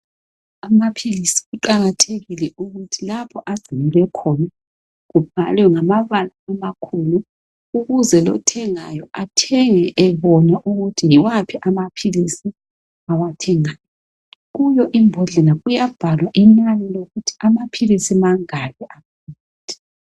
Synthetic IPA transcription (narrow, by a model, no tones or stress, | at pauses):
amapʰilisi̥ɣuǃaɣatʰeɣilɛuɣutʰilapʰɔʔaɡ͡ǀ̥ʱimilwɛkʰɔna | ɣub̥ʱa̰lwɛŋamaβalaːmakʰulu | uɣuzɛlɔ̰tʰɛŋajɔʔatʰɛŋɛʔɛβɔnaʔuɣutʰijiwapʰiʔamapʰilisi | awatʰɛŋaːjɔ | ɣujɔʔimbʱɔɮɛlaɣujab̥ʱalwaʔinalɛloɣutʰi̥amapʰilisimaŋalɛʔaβː | tʰɛ̥